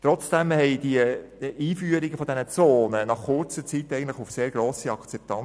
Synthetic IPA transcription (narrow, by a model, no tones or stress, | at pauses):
t̪ɾɔt͡sd̥ɛmhɛɪd̥iəiːfyəɾiɡ̥əfɔdɛnət͡soːnənɑχkʊrt͡sət͡sit̪ːɛɪɡən̩tləχufseːɾɡ̥ɾoːsiɑkt͡sɛp̚tɑn